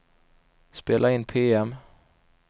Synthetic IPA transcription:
speːlʔaɪnːpʰeːɛm

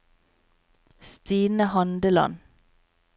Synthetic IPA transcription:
st̪iːnəhɑnd̪əlɑ̰n

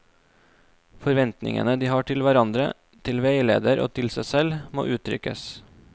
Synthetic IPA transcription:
fɔɾʋɛnt̪nɪ̰ŋə̰nəd̪iːhɑːʈʰɪlʋæɾɑnd̪ɾə̰ | t̪ʰɪlʋeɪlḛːd̪əɾʔo̰ːt̪ʰɪlsæɪsɛlmo̰ːʔʉːt̪ʰɾʏ̰kə̰s

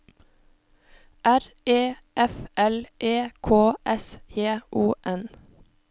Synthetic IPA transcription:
ʔæɾ | eː | ʔɛfʔɛlʔeːkʰoːʔɛsjeːʔuːʔɛn

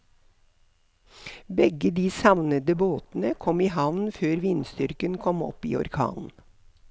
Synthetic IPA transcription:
bɛɡəd̪iːsɑʋnəd̪əboːt̪n̩əkʰɔmiːhɑʋnføːɾʋɪnst̪ʏɾkənkʰɔmɔ̰pḭːɔ̰ɾkʰɑ̰ːnn̩

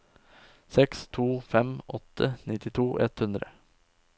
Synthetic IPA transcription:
sɛkst̪ʰuːfɛmɔt̪ʰːənɪt̪ɪt̪ʰuːʔɛt̪hʉnd̪ɾə̰

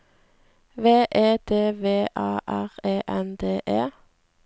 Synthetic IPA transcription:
ʋeːʔeːd̪eːʋeːʔɑːʔæʁeːʔɛnd̪eːʔeː

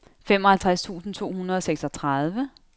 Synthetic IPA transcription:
femɒ̽hælt͡sʰʁast͡sʰṵːsn̩t͡sʰo̝̰ːhunɐð̞̩ˠɒ̽seɡ̥sɒ̽t͡sʰʁaðˠʋə

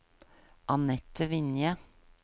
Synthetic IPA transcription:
ʔɑnɛt̪əʋɪnjə

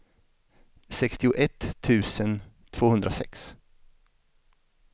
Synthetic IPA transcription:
sɛkst̪ɪʊʔɛt̪ʰːʉ̟ːsən | t̪ʰv̥oːhɵnd̪ɾʔasɛ̰ks

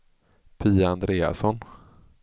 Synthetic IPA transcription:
pʰiːaand̪ɾeːa̰sɔn

